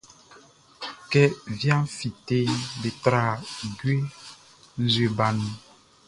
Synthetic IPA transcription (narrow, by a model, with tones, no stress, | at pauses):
kɛ˦vjã˦fi˨t̪e˦be˨t̪ɾa˦˨du˦e˦ | n̩˦ze˨ba˨nũ˦